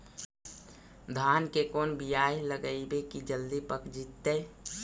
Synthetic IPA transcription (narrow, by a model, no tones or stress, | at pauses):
d̪ʱaːnkekoːnbijaːeləɡəibekid͡ʒəld̪ipəkd͡ʒit̪ːeː